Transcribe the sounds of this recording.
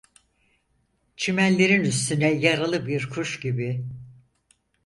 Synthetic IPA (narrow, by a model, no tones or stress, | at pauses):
t͡ʃʰimælʲːe̞ɾinyst̪ʰynɛjaɾalˠɯbiɾkʰuʃɟibi